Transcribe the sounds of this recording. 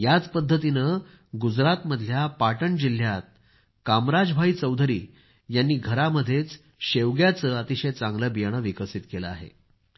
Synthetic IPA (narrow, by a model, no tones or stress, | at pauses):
jat͡spəd̪ʱːət̪̬inə | ɡud͡zɾat̪məd̪ʱjapaʈəɳd͡ʑil̤jat̪̚ | kamɾad͡zbʱaiːt͡səwd̪ʱɾḭː | janːiːɡʱəɾaməd̪ʱːjet͡s | ɕeʋɡjat͡səət̪iɕejt͡sãŋɡləbijəɳ̃əʋikəsit̪kelə̰a̰ɦḛ